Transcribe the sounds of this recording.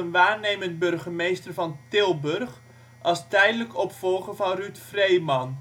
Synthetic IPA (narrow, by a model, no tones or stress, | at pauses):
ənʋaːrnejməntbɵrχəmejstərvɑntɪlˠbɵørχ | ʔɑlˠstɛjdələkɔpfɔlˠχəvɑnrytfrejmɑn